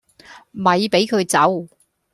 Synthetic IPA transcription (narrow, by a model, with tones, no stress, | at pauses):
mɐ˨˧jpe˨˥jkʰɵ˨˧ɥt͡sɐ˨˥w